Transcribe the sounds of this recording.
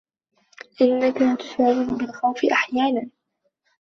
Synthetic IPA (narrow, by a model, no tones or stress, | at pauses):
ʔɪnːakat̪ʊ̥ʃaʕːwɪnbɪlxawfɪʔaħjaːnan